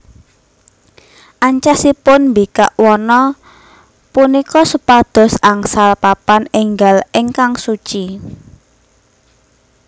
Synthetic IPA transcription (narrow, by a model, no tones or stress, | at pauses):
ʔaɲt͡ʃasipʊnmbika̰ʔwɔnɔ | punikɔsəpad̪̥ɔ̤saŋsalpapanɪŋɡalɪŋkaŋsut͡ʃi